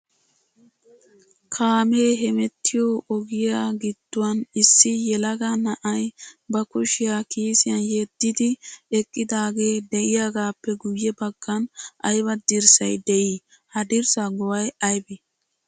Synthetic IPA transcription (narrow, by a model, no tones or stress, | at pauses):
kʰaːmeːɦɛmɛt̪ːɪjoʔɔɡɪjaːɡɪd̪̥ːʊwɐnɪsːɪjɛlɐɡanɐʔɐjbɐkʊʃɪjakiːsɪjɐnjed̪ːɪd̪ɪɛkʼːɪd̪aːɡe̞ːd̪ɛʔɪjaɡaːpːɛɡʊjːɛbɐɡ̥ːɐnʔɐjbɐd̪ɪɾsɐjd̪ɛʔi | hɐd̪ɪɾsɐɡɔwɐjɐjbɪ